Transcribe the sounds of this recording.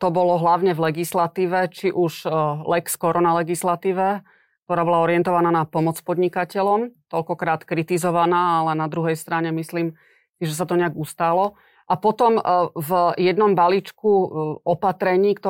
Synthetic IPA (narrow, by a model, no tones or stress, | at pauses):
t̪ɔbɔlɔɦlaʊɲɛvlɛɡislat̪iːʋɛt͡ʃiʔuʒlɛkskɔɾɔnalɛɡislat̪iːʋɛ | k̚t̪ɔɾaːbɔlaɔɾɪɛnt̪ɔʋanaːnapɔmɔt͡spɔd̪ɲikacɛʎɔmt̪ɔʎkɔkɾaːt̪kɾit̪izɔʋanaːalɛnad̪ɾuɦɛjst̪ɾaɲɛmisliːm | siʒɛs̬at̪ɔɲɛaɡust̪alɔ | ʔapɔt̪ɔmvjɛd̪nɔmbalit͡ʃkuɔpat̪ɾɛɲiːkt̪ɔ